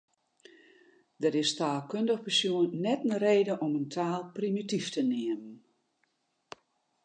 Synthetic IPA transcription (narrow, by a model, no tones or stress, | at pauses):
dəɾɪstaːlˠkøndəxpərsjuənːɛtnəreːdəʔɔməntʰaːlˠprimitiftənɪəmən